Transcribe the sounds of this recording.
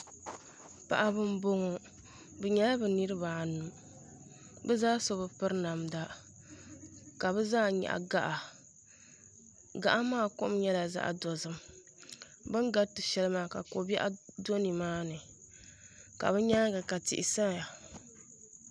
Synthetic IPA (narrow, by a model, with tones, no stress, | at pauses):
pa̰˨ʔa˨bɨ˦m˦bo˦ŋɔ˨ | bɨ˨ɲɛ˦la˦bɨ˨nɨ˦ɾɨ˦ba˨a˨nu˨ | bɛ˦zaː˦so˦bɨ˨pɨ˦ɾɨ˦na˨mda˦ | ka˨bɛ˦zaː˦ɲɛ̰˨ʔa̰˨ɡa˦ʔa˨ | ɡa̰˨ʔa˦maː˦˨kʊ̰˦m˦ɲɛ˦la˨za̰˦ʔa̰˨dɔ˨zɨ˦m | bɨ˦ŋɡa˦tɨ˨ʃɛ˦lɨ˦maː˦ka̰˨ko˨bɛ˦ʔa˦do˦ni˨maː˦nɨ˨ | ka̰˨bɨ˦ɲa˦ɡa˨ka˨tɪ̰˨ʔɪ˨sa˦ja˨